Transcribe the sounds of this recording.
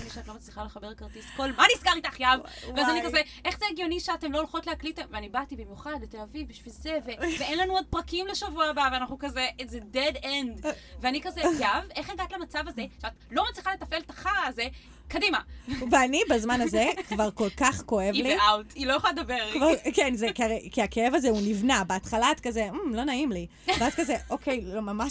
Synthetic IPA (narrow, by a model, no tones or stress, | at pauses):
iʃeatlo̞mat͡sliχaleχabekaʁtisko̞lmanisɡaʁitaχjavveazanikazeʔeχzeːɡjo̞niʃeate̞mlo̞lχo̞tlehakliteveanibatibimjuχad̪bete̞lavivbiʃvilze̞ve̞veenlanuod̚pʁɐkimleʃavuaːbaveanaχnukazeʔezededendveanikazejave̞χjaɡat̪lamat͡savazeʃeatlo̞mat͡sliχalet̪afelt̪ḁχaːze | kadimaveanibazmanazekvaʁko̞lkaχko̞evliawtilojaχolaled̪abeʁkvaʁkenzekiaʁejkiakeevazeunivnabeatχalaatkazem̩lo̞naimli | veatkazeʔokʰejlomamaʃ